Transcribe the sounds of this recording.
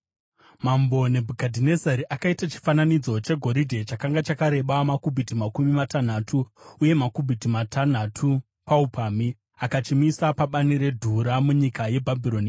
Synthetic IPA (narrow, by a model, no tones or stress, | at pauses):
mambo̞ne̞bʱukadʱine̞zaɾiʔakaitat͡ʃi̥fananid͡zo̞t͡ʃe̞ɡʱo̞ɾidʱet͡ʃakaŋɡat͡ʃakaɾe̞ɓamakubʱitimakumimatan̤atʰuːje̞makubʱitimatʰan̤atʰu | paupʰami | akat͡ʃimisapaɓaniɾe̞dʱuɾamuɲikaje̞bʱabʱiɾo̞ni